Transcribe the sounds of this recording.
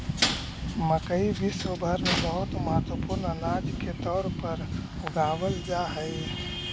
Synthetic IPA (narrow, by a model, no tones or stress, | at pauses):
məkəibisobʱəɾmẽbəɦʊt̪məɦət̪wəpʊɾnənaːd͡ʒket̪ɔːɾpəɾ | ʊɡaːʋəld͡ʒaɦəɪ